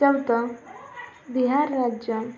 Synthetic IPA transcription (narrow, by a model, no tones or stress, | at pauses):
əwt̪ə | biɦaɾːad͡ʑjə